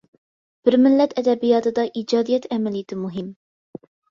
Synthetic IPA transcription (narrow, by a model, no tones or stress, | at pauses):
b̥ɪɾmɪlːɛt̪ʰɛd̪ɛbijɑːt̪ɨd̪ɑʔid͡ʒɑːd̪ijɛt̪ʰɛmɛlijɪt̪ʰɪmuɦɪm